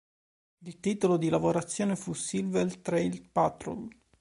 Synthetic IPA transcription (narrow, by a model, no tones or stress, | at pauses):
ilt̪iːt̪olod̪ilavoɾat̪sːjoːnefusilvelt̪ɾeilpat̪ɾo̰l